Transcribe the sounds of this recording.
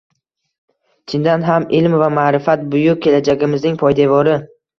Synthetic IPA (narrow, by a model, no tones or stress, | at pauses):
t͡ʃʰɪnd̪anɦamɪlmvamaːɾɪfat̪̚bʊjʊk̚kʲʰːelad͡ʒaɡʲɪmɪznɪŋpʰɒjd̪avɒɾɪ